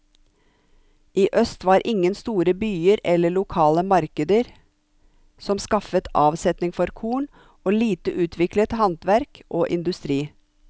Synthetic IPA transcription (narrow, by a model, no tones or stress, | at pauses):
ʔiːʔœst̪ʋɑːɾʔɪŋənst̪uːɾəbyːəɾɛləɭʊkʰɑːləmɑɾkəd̪əɾ | sɔmskɑfət̪ɑːʋsɛt̪nɪŋfɔɾkʰuːɳ | oːliːt̪əʔʉːt̪ʰʋɪklət̪hɑnt̪ʋæɾkʔoːʔɪnd̪ʉst̪ɾiː